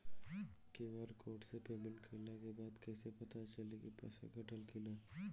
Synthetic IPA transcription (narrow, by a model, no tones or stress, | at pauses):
keʋaɾkoːʈsepeːbɪlkʰelakebaːd̪kɛːsepɐt̪at͡ʃɐlekipɛ̰ːsḛkɐʈəlkɪlaː